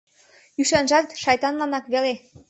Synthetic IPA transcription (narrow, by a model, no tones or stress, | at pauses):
yʃɑnʒɑt̪ʃɑjt̪ɑnlɑnɑkβele